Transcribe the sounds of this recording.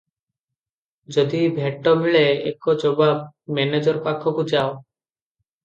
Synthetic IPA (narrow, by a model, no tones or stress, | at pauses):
d͡ʒɔd̪ibʱeʈːɔmiɭeḛkɔd͡ʒɔbabmɛned͡ʒɔɾpakʰːɔkud͡ʒao